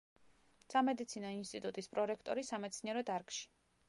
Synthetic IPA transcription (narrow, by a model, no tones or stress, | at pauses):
samɛd̪it̪sʰinɔinst̪ʼit̪ʼut̪ʼispʼɾɔɾɛkʰt̪ʼɔɾisamɛt̪sʰniɛɾɔd̪aɾkʼʃi̥